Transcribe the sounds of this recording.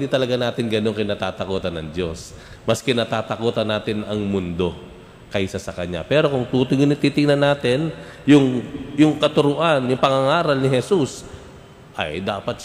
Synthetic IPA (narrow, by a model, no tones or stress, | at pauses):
nd̪iːt̪ɐlɐɡanaːt̪ɪnɡɐno̞nkɪnɐt̪aːt̪ɐkoːt̪ɐnːɐŋd͡ʒo̞s | mɐskɪnɐt̪aːt̪ɐkoːt̪ɐnaːt̪ɪnɐŋmʊnd̪o̞ | kɐjsɐsɐkɐɲa̰pɛːɾo̞kʊŋt̪uːt̪ojɡɪnɪt̪iːt̪ɪŋnɐnːaːt̪ɪnjʊŋjʊŋkɐt̪ʊɾʊʔanjʊŋpɐŋɐŋaːɾɐlnɪɦɛsus | ʔɐ̰jd̪aːpɐt̪̚